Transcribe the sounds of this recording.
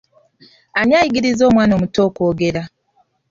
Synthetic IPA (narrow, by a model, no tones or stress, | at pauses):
anjajiɡiɾizo̞ːmwaːno̞ːmuto̞ːko̞ːɡe̞ɾa